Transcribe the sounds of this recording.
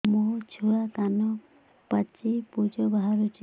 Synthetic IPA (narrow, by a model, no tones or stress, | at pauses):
mot͡ʃʰuɭakanɔ | pat͡ʃipud͡ʒɔbaɦaɾut͡ʃʰi